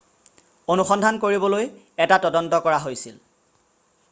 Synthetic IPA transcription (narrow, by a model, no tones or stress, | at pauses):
onuxɔndʱankoɹibɔloj | ɛtatɔdɔntɔkɔɹaɦojsil